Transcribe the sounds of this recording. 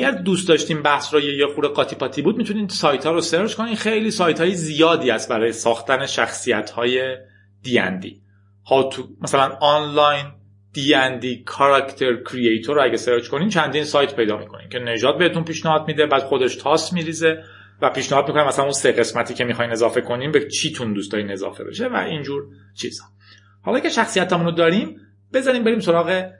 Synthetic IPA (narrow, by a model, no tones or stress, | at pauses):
æɟæɾd̪uːst̪d̪ɒːʃt̪iːmbæhsɾɔjejexuːɾeɡɒːt̪ʰiːpʰɒt̪ʰiːbuːd̪̚mit̪ʰunisɒːjt̪ʰhɒːɾoseɾd͡ʒkʰo̞niːnxejliːsɒːjt̪ʰhɒːjezijɒːd̪iːæst̪̚bæɾɒːjesɒːxt̪æne̞ʃæxsijæt̪hɒːje̞ | d̪̥iːjæ̰nd̪ḭː | hɒt̪ʰumæsælænɒːnlɒjn | d̪̥iːjænd̪iːkʰɒɾɑkʰt̪ʰeɾkʰɾiejt̪ʰoɾoæɟæseɾd͡ʒko̞niːmt͡ʃʰænd̪iːnsɒːjt̪pʰe̞jd̪ɒːmḭkʰo̞̰nḭmcʰe̞ne̞ʒɒːd̪̚beet̪unpiːʃnæhɒːd̪miːd̪ebæːd̪χo̞d̪eʃt̪ʰɒːsmiːɾiːze | væpiːʃnehɒːd̪̚mikonæmːæsælænunseɣe̞smæt̪ʰiːcʰe̞mixɒːjne̞zɒːfe̞kʰo̞niːmbet͡ʃʰiːt̪ʰund̪uːst̪ɒːine̞zɒ̰fe̞bḛʃe̞væ̰ʔind͡ʒuːɾ | t͡ʃʰḭz̥hɒ̥ | hɒlɒːcʰeʃæxsijæt̪ʰæmunod̪ɒːɾiːm | b̥e̞zɒɾiːmbe̞ɾiːmso̞ɾɒːɣe